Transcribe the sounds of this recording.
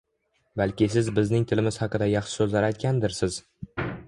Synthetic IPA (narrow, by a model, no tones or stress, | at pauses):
balkʲɪsɪzbɪznɪŋt̪ʰɪlɪmɪz̥hɑqɨd̪ajɑχʃɪ̥sɵzlaɾajt̪kʲand̪ɪɾsɪz̥